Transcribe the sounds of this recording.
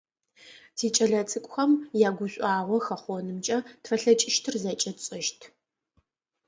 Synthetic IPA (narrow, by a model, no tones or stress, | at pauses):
tʰiːt͡ʃʼɐɮɐt͡sʰʼɨkʷʼxɐmjaːɡʷʊɕʷʼɑːʁʷɔxɐχʷɔnɨmt͡ʃʼɐtʰfɐɬɐt͡ʃʼɪʃtʰɨrzɐt͡ʃʼɐtt͡sʼɪʃtʰ